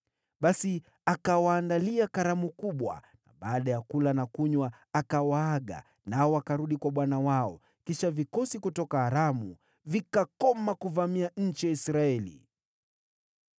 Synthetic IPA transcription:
ɓasi | akawaːndaliakaɾamukuɓwa̰ | na̰ɓaːɗajakulanakuɲwa | akawaaɠa̰ | naɔwakaɾuɗikwaɓwanawaɔ | kiʃavikɔsikutɔkaːɾamu | vikakɔmakuvamiaɲ̩t͡ʃijaisɾaɛlḭ

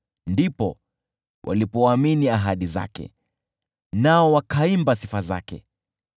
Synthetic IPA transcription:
ndipɔ | wʔa̰lipɔaminiaɦaɗiza̰kɛ̰ | naɔwakaimbasifaza̰kɛ̰

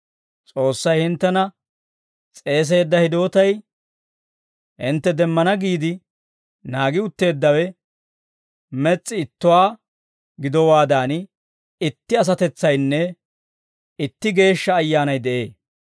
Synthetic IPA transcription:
t͡sʼo̞ːsːɐjhɪnt̪ːɛnɐ | t͡sʼe̞ːs̬e̞ːd̪ːɐhɪd̪o̞ːt̪ɐj | hɪ̰nt̪ːɛd̪ɛmːɐnɐɡiːd̪ɪ | naːɡɪʊt̪ːe̞ːd̪ːɐwɛ | mɛt͡sʼːɪɪt̪ːʊwaː | ɡɪd̪ɔwaːd̪aːn | ɪt̪ːɪɐs̬ɐt̪ɛt͡sːɐjnːɛ | ɪt̪ːɪɡe̞ːʃːɐːjːaːnɐjd̪ɛʔe̞̰ː

